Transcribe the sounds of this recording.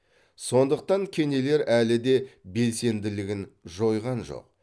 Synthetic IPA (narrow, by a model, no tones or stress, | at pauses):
so̞nd̪əq̚t̪ɑŋkʲʰe̞ne̞le̞ɾʔælɪd̪e̞be̞lse̞nd̪ɪlɪɡʲɪnʒo̞jʁɑnʒo̰q̚